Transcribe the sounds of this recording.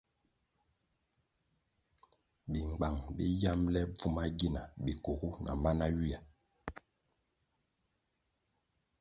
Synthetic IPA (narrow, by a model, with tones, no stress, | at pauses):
bi˨ŋ͡mɡ͡ba˨ŋbi˦ja˦mlɛ˦b͡vu˦ma˦ɡi˦na˨bi˨ko˨ɣu˦nʔa̰˨ma˦na˦ɥi˦a˨